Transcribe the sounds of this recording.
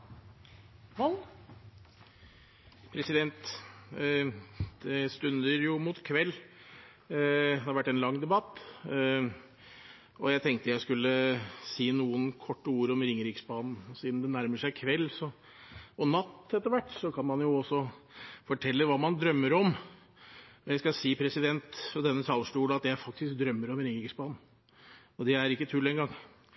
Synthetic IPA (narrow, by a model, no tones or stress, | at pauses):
mɔn | pʰɾɛsɪd̪ɛnt̪ | d̪̥ɛst̪ʉnd̪əɾjʊmuːt̪kʰʋɛlː | d̪ɛhɑɾʋæʈːɛnlɑŋːd̪ɛbɑt̪ː | ʔɔjæɪt̪ʰɛŋk̚t̪əjæɪskʉlːəsiːnuːənkʰɔʈːəuːɾɔmɾɪŋɾɪksbɑːnn̩ɔsiːd̪md̪ɛnæɾməʂæɪkʰʋɛlːsɔ | ɔnɑt̪ːɛt̪ːəɾʋæʈːsɔkʰɑnmɑnjʊɔsːɔfɔʈʰɛlːəʋɑːmɑnd̪ɾœmːəɾɔm | ɔjæɪskɑsiːpʰɾɛsɪd̪ɛnt̪ɑd̪ɛnːəsɑːlʂʈ̪uːd̪ɑt̪jææɾfɑk̚t̪ɪsk̚d̪ɾœmːəɾɔmɾɪŋɾɪksbɑːnn̩ | ɔd̪ɛæɾɪkːət̪ʰʉːld̪ɛnɡɑŋ